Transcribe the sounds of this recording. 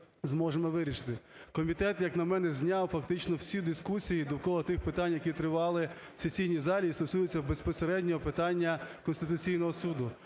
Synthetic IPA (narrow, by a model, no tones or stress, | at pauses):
zmɔʒemɔʋɪɾʲiʃɪ̥t̪ɪkɔmʲit̪ɛt̪jɐknɐmɛnɛzʲnʲɑwfɐk̚t̪ɪt͡ʃnɔwsʲid̪ɪskusʲijid̪ɔwkɔlˠɔt̪ɪxpɪt̪ɑnʲjɐkʲit̪ɾɪʋɑlˠɪ | sesʲijnʲizɑlʲiːst̪ɔsujʊt͡sʲːɐbespɔseɾɛdʲnʲɔɦɔpɪt̪ɑnʲːɐkɔnst̪ɪt̪ʊt͡sʲijnɔɦɔsud̪ʊ